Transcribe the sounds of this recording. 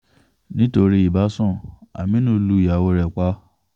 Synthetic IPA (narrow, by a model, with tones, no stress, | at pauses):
nĩ˦to˧ɾi˧˦i˨ba˨˦sɔ̃˦˨a̰˨mĩ˦nũ˦lu˦˨ja˨wo˧ɾɛ˨k͡pa˦